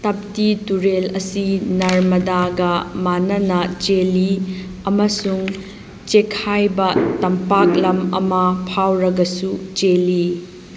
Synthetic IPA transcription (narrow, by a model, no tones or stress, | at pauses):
tɐp̚tituɾelɐsinɐɾmɐdaɡɐmanɐnɐt͡ʃeli | ɐmɐsuŋ | t͡ʃekʰajbɐtɐmpak̚lɐmɐ̰mɐpʰawɾɐɡɐsut͡ʃeli